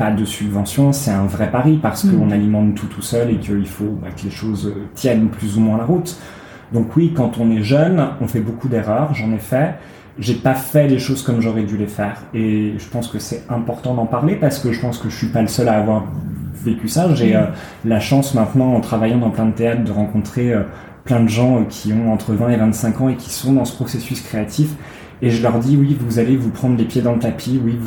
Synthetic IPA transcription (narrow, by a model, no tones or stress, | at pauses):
pad̪əsybvɑ̃sjɔ̃sɛt̪ɛ̃vʁɛpaʁipaʁsə̥kəɔ̃nalimɑ̃t̪ʰːut̪ʰusœlekʰəilfoba̰kəleʃozøt̪jɛnplyzumwɛ̃laʁut̪ | d̪ɔ̃kwikɑ̃t̪ɔ̃nɛʒœnɔ̃fɛbokʰud̪eʁœʁʒɑ̃nefɛ | ʒepafɛleʃozkɔmʒɔʁɛd̪ylefɛːʁeʒəpɑ̃skəsɛtɛ̃pɔʁt̪ɑ̃d̪ɑ̃paʁlepaʁsə̥kəʒəpɑ̃skəʒəsɥipaləsœlaːvwaʁvekʲysaʒeø | laʃɑ̃smɛ̃t̪nɑ̃ɑ̃t̪χavajɑ̃d̪ɑ̃plɛ̃d̪ət̪eat̪χd̪əʁɑ̃kɔ̃t̪χeø | plɛ̃d̪əʒɑ̃kʲʰiɔ̃ɑ̃t̪χəvɛ̃evɛ̃t̪sɛ̃kɑ̃ekʲi̥sɔ̃d̪ɑ̃sə̥pχɔsesyskχeat̪ʰif | eʒəlœʁd̪iwivuzalevupχɑ̃d̪ʁlepjed̪ɑ̃lət̪apʰiwiv